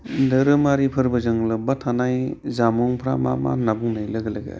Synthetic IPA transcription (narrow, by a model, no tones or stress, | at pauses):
dɯɾɯmaɾipʰɯɾbɐzɯŋlɯbatʰanajzamɔŋpʰɾa̰ma̰ma̰nabuŋnajlɐɡɐlaɡa̰